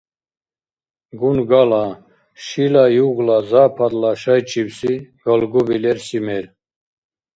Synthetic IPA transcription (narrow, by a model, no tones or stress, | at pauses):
ɡunɡala | ʃilajuɣlazapʰad̪laʃajt͡ʃʼibsiɡ̥ɔlɡubilɛɾsimɛɾ